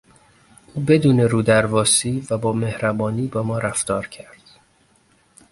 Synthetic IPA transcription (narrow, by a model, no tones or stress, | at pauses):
ʔuːbe̞d̪uːne̞ɾuːd̪æɾvɒːsiːvæbɒːme̞hɾæbɒːniːbɒːmɒːɾæft̪ɒːɾcʰæɾd̪̥